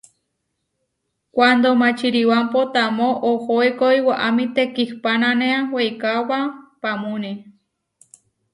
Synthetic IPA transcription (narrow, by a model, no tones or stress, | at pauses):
kʷand̪omãt͡ʃiɾiwampot̪amõʔohoekojwaʔamĩt̪ekihpanãneawejkawapamũne